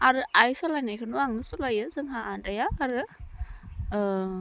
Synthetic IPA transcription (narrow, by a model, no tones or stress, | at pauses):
aɾɯʔajsɔlajnajkʰɯnuaŋnɯsɔlajɯzɯŋɦaʔadajaːɾɯ